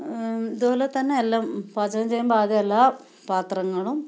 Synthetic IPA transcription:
iðuboːlet̪ɐnːeelːaːmpaːd͡ʑɐɐmt͡ɕejːumbaːd̪iɐlːaː | paːt̪rɐŋːɐɭum

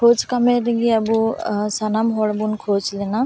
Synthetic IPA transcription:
kʰoːt͡ʃkameɾiɡiəbuːsanaːmɦoːɽbunkʰoːt͡ʃlenaː

